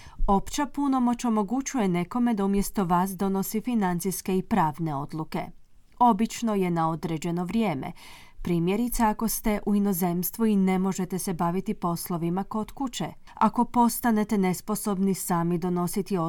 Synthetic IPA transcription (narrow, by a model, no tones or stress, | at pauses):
o̞pt͡ɕapuno̞mo̞t͡ɕo̞mo̞ɡut͡ʃuje̞ne̞ko̞me̞d̪aumje̞st̪o̞ʋaːsd̪o̞no̞sifinant̪siske̞ipɾaːʋne̞o̞d̪lˠuke̞̰ | o̞bit͡ʃno̞je̞nao̞d̪ɾe̞d͡ʑe̞no̞ʋɾje̞ːme̞̰ | pɾiːmje̞ɾit̪saako̞st̪e̞ʔuino̞ze̞mst̪ʋuine̞mo̞ʒe̞t̪e̞se̞baʋit̪ipo̞slˠo̞ʋimakot̪kut͡ɕe | a̰ko̞po̞st̪ane̞t̪e̞ne̞spo̞so̞bnisaːmid̪o̞no̞sit̪io